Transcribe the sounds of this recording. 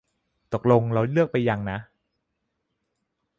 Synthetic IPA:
t̪o˨˩k̚lo˧ŋla˧lɯ˥˩ək̚pa˧jːa˧ŋna˦˥ʔ

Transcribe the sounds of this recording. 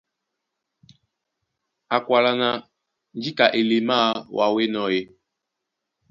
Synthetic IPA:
a˨kwa˨la˨na˨ | n˦d͡ʒi˦ka˨ʔe˨le˨ma˦˨wa˨we˦nɔ̃˨je˨

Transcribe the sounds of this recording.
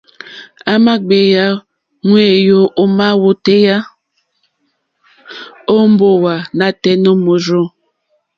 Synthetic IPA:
a˦ma˦ɡ͡be˨ja˦ | ŋwe˦˨jo˦ʔo˦ma˦wo˦te˦ja˦ | o˦m̩˦bo˦wa˨na˨tɛ˦no˦mo˨ɾo˦

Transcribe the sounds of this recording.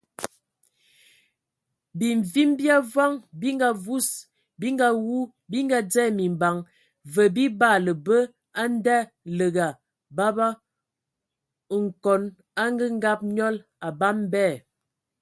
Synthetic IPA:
bi˨ɱ˨vi˦mbja˦vwa˦ŋbi˦ŋɡa˨vu˦s | bi˦ŋɡa˦wu˦ | bi˦ŋɡa˦d͡zɛ˦mi˨mba˨ŋ | və˨bi˦ba˦˨lə˨bə˦ | a˦n˦da˦ | lə˨ɡa˨ | ba˦ba˦˨ | ŋ̩˨kɔ˨˦n | a˦ŋɡə˦ŋ˦ɡa˦p̚ɲɔ˦l | a˨ba˦mbɛ˦˨

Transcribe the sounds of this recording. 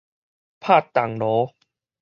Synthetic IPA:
pʰaː˥˩t̪ːa˨˩ŋnɔː˨˦

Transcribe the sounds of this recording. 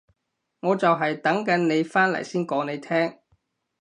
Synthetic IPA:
ŋɔː˨˧t͡sɐ˨wɦɐ˨jt̪ɐ˨˥ŋkɐ˨˥nne˨˧jfaː˥nlɐ̰˨˩jsiː˥nkɔː˨˥ŋne˨˧jt̪ʰɛː˥ŋ

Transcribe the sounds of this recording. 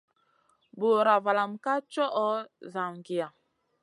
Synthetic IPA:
bo˨ɾa˨va˨la˨mka˦t͡ʃɔ˦ʔɔ˦za˨mɡi˨a˨

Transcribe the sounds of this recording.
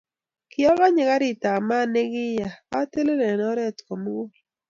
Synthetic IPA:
kɪ˨ɔ˦ɣa˦ɲɛ˨ɡa˦ɾɪ˨ta˨ma˦ne˦ɡɪ˦ja˨a˦te˦le˦lɛ˨nɔ˦ɾɛ˦˨tko˨m˦ɡo˦

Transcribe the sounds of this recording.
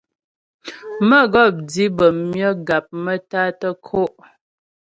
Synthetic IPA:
mə˦˨ɡɔ˦˨p̚di˦bə˨mjə˦ɡa˨p̚mə˦ta˦tə˦kʰo˦ʔ

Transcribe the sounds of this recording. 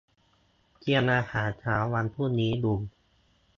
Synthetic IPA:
ki˧ənʔaː˧haː˩˦nt͡ɕʰaː˦˥wːa˧npʰuː˥˩niː˦˥du˧ŋ

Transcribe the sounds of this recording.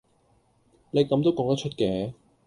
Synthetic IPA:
ne˨˧jkɐ˨˧mt̪o˥wkɔː˧˥ŋt̪ɐ˥k̚t͡ʃʰt̚kɛː˨˥

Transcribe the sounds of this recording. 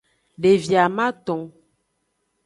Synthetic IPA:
ɖe˨vi˨a˨mã˦t̪ɔ̃˨

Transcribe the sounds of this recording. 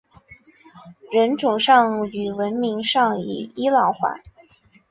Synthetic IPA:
ɻə˧˥nʈ͡ʂʊ˨˩ŋʂɑ˥˧ŋ˥˩y˨˩wə˧˥nmi˧˥ŋʂɑ˥˩ŋḭ˨˩i˥lɑ˧˩˥ʊxwa̰˧˩˦

